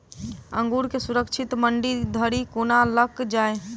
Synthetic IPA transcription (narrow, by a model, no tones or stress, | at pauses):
ə̃ŋɡuɾkesuɾəkt͡ʃʰɪt̪məɳɖid̪ʱəɾikonaləkd͡ʒaːe